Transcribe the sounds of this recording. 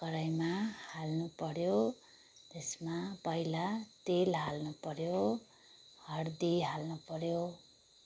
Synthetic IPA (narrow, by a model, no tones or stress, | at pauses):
kʌɾajmahalnupʌɾjo | t̪esmapʌilat̪elɦalnupʌɾjo | hʌrd̪iɦalnupʌɾjo